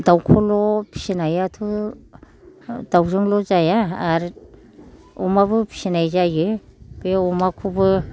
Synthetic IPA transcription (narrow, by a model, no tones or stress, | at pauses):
dawkʰɔlɔpʰi̥sinajatʰu | dawzɯŋlɔzajaːɾ | ɔmaβɯpʰi̥sinajzajɯb̥eɔmakʰubɯ